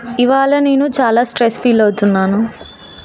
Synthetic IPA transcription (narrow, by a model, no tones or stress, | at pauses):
iʋaːɭɐne̞ːnut͡ʃaːlaːsʈɾespiːlɐwt̪unːaːnu